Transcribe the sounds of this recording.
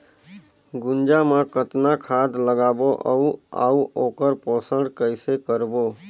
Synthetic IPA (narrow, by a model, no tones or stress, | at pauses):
ɡʊnd͡ʒamãkət̪nakʰad̪ləɡaboʔəũa̰ũʔokəɾpɔsəɳɖkəjsekəɾbo